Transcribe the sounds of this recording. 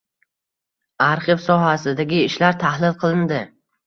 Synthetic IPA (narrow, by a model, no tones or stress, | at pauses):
aɾχɨfsɒɦasɪd̪aɡʲɪːʃlaɾt̪ʰahlɪlˠqʰɨlˠɪnd̪ɪ